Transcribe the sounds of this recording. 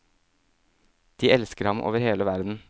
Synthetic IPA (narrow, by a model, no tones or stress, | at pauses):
d̪̥iːɛlskəɾhɑmʔo̰ːʋəɾheːləʋæɾd̪n̩